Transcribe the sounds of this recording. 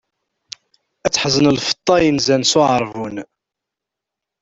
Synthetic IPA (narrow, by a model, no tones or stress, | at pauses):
æt͡sːħəzənəlfə̥t̪ˤːɑjənzænsʊʕəɾˤvun